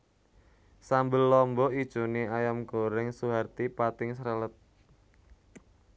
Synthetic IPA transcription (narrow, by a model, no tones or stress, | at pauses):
sambɪlːɔmbɔid̥ʒ̥o̤niajamɡoɾɪŋsuɦart̪ipat̪ɪŋsɾələt̪̚